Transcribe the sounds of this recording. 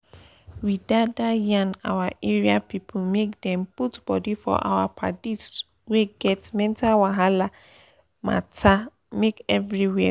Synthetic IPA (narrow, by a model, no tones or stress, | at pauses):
widadajãna̰waʔeɹiapipʰumekdɛ̃mputb̥ɔdifɔ̰ʔa̰wapʰa̰dit | weɡɛtmɛ̃ntawaɦala | ma̰tʰa | mekɛvɹiwɛ